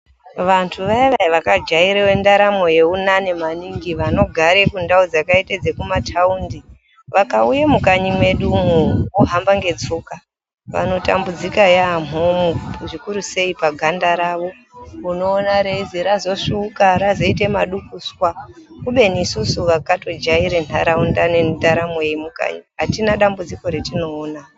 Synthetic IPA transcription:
ʋantʰuʋaiʋaiʋakad͡ʒaiɾewe̞ndaɾamo̞je̞unane̞maniŋɡiʋano̞ɡʱaɾe̞kundaud͡zakaited͡zekumatʰaundi | ʋakaujamukaɲimwe̞ɗum̤uwoɦambaŋɡe̞d͡zuka | ʋa̰no̞ta̰mbud͡zikajaːmomuʐikuɾuse̞ipaɡʱandaɾaʋo̞ | uno̞ːnaɾeiziɾazo̞ʂukaɾazo̞ite̞maɗukuswakuɓe̞nisusuʋakato̞d͡ʒaiɾen̤a̰ɾaundanendaɾamoeimuka̰ɲiɦatinaɗambud͡ziko̞ɾetino̞ːna

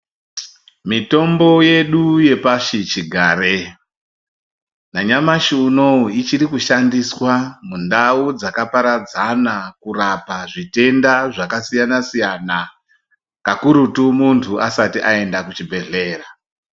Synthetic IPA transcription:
mito̞mbo̞je̞ɗuje̞paʂit͡ʃiɡʱaːre | naɲamaʃiːno̞uit͡ʃiɾikuʃandiswamundaud͡zakapaɾad͡zanakurapaʐite̞ndaʐakasijanasijana | kakuɾutumuntʰuʔasatiʔae̞ndakut͡ʃibʱe̞ɮe̞ːra

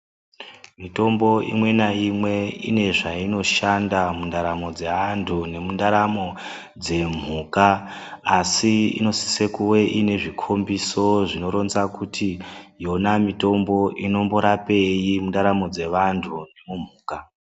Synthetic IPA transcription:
mito̞mbo̞ʔḭmwe̞naimwe̞ḭne̞ʐaino̞ʃandamundaɾamo̞d͡ze̞antʰune̞mundaɾamo̞ | d͡ze̞m̤uːkaː | siḭno̞si̥se̞kuwe̞ʔine̞ʐikʰo̞mbiso̞ʐino̞ɾo̞nzakutʰijo̞namito̞mbo̞ʔino̞mbo̞ɾape̞jimundaɾamo̞d͡ze̞ʋantʰune̞mum̤uːka

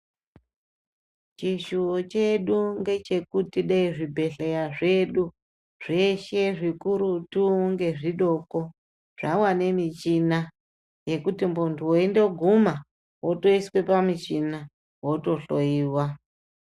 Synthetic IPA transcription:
t͡ʃiʃuot͡ʃe̞ɗuŋɡe̞t͡ʃe̞kutiɗaiʐibʱe̞ɬejaʐe̞ɗu | ʐ̥e̞ʃe̞ʐikuɾutuŋɡe̞ʐiɗo̞ko̞ | ʐ̥amwane̞mit͡ʃina | je̞kutimbontʰuwoende̞ɡʱuma | woto̞iswe̞pamit͡ʃina | woto̞ɬojiːwa

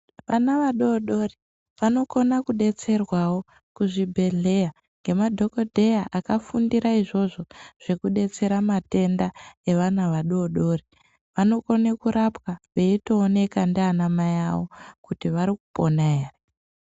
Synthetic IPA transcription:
ʋanaʋaɗo̞ːɗo̞ri | ʋano̞ko̞nakuɗe̞t͡se̞rwawo̞ | kuʐibʱe̞ɮe̞ja | ŋɡe̞madʱo̞ko̞dʱe̞jaʔakafundiɾaiʐo̞ʐo̞ʐ̥e̞kuɗe̞t͡se̞ɾamate̞ndae̞ʋanaʋaɗo̞ɗo̞ːri | ʋano̞ko̞nekuɾapwaʋe̞ito̞ːne̞kandianamajawokutiʋaɾiku̥po̞naere

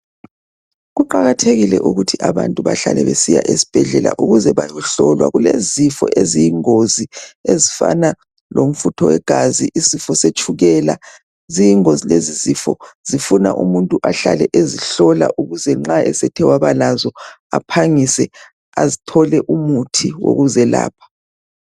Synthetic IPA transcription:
ɣuǃaɣatʰeɣilɛ̰ʔuɣutʰiʔaβantʼuβa̰ɬa̰lɛβesija̰ʔesi̥b̥ʱɛɮɛla̰ʔuɣuzɛβajɔɬɔlwa̰ɣulezifɔ̰ʔezijiŋoziezifa̰na | lom̩futʰɔwɛɡ̥ʱaziʔisifɔset͡ʃʼʰuɣɛla | zijiŋozilezizifɔz̥ifuna̰ʔumuntʼuʔaɬalɛʔeziɬɔla̰ʔuɣuzɛŋ͡ǁaʔɛsɛtʰɛwaβalazɔ | a̰pʰaŋisɛ | azitʰɔlɛʔumutʰiwo̰ɣuzɛla̰ːpʰḁ

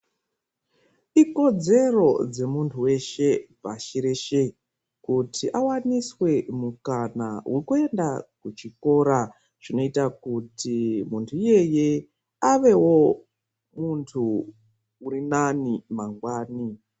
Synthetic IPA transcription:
iko̞d͡ze̞ro̞d͡ze̞muntʰuwe̞ʃe̞pa̰ʃiɾeʃe̞ | kutʰiʔawaniswe̞mukanawʔekue̞ndakut͡ʃiko̞ɾa | ʐ̥ino̞itakutimuntʰuije̞je̞ | aʋe̞wo̞ | muntʰuː | rinanimaŋɡwaːni

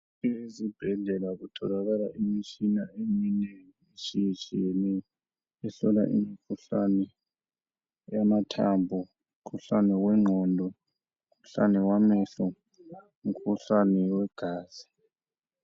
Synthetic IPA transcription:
ezib̥ʱɛɮɛlaɣutʰɔlaɣalaʔimit͡ʃinaeminɛŋ | eʃijt͡ʃʼijɛnɛː | ɬɔla̰ʔḭmikʰuɬanɛ | jamatʰambʱu | kʰuɬanɛwɛŋ͡ǁʱɔndʱɔ | kʰuɬa̰nɛwamɛːɬɔ | ŋ̩kʰuɬanɛwɛɡ̥ʱaːz̥i̥

